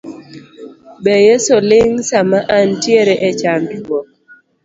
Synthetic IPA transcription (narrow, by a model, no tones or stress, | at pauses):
bejesolɪŋsamaʔantjeɾeʔet͡ʃandwɔk̚